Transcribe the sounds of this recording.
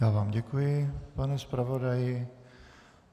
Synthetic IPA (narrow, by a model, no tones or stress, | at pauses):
jaːvaːmɟɛkujɪpanɛspɾavodajɪ